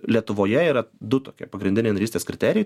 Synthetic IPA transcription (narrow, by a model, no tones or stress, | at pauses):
lʲiɛt̪ʊʋoːjɛiːɾɐd̪ʊt̪oːkʲiɛpɐɡɾʲɪnd̪ʲɪnʲeɪnɐɾʲiːsʲt̪ʲeːskɾʲɪt̪ʲæːɾʲɪjɛɪ